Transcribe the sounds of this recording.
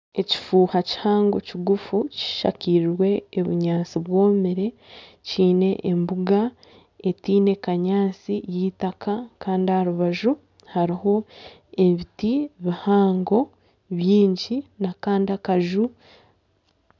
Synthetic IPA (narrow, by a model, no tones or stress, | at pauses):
e̞ci̥fuːhaci̥haːŋɡo̞ciɡufuci̥ʃa̰ciɾiɾwe̞ːβuɲaːt͡siβwo̞ːmiɾe̞ | ciːne̞ʔembuɡa | etiːne̞kaɲaːt͡sijiːtakakaːndihaɾuβaʒu | haɾiho̞ | e̞βitiβihaːŋɡo̞ | βjiːɲɟinakaːndiakaʒu